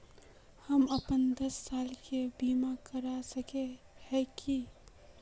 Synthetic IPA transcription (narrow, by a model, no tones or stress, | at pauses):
hɐmɐpənd̪ɐsːaːlkʰebiːmakɐɾasɐke | hɛ̃ki